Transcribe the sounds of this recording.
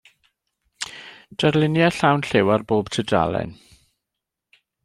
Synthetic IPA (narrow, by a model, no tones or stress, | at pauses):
d̥arlɪnjaɬawnɬɪwarboːb̥tʰəda̰lˠɛ̰n